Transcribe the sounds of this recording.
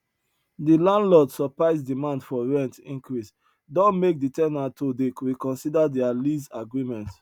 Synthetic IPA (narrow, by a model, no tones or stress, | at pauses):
dilãndlɔdsɔpaɪzdimãndfɔɹɛ̃ntĩŋkɹis | dɔ̃nmek̚ditɛnatʰodeɹikɔ̃nsidadɛalizaɡɹimɛ̃nt